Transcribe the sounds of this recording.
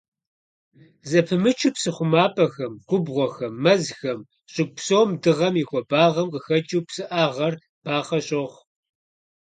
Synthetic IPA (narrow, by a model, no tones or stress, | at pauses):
zɐpʰɨmɨt͡ʃʰɪpsɨχʷʊmaːpʼɐxɐmɡ̥ʷʊbʁʷɔxɐmːɐzxɐm | ɕʼɪɡ̚ʷpsoːmdɨʁɐmiːxʷɔbaːʁɐmqəxɐt͡ʃʼuːpsɨʔaːʁɐr | b̥aːχɐɕʼoʁ